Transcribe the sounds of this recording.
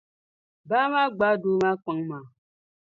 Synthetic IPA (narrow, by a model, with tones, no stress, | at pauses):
ba˦ma˦ɡ͡ba˨˦do˦ma˦ka˨˦ŋma˨